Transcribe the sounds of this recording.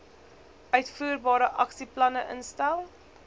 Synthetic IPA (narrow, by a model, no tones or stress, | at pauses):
œɥtfuːrbɑːɾəʔɐksiplɐnəʔənstælˠ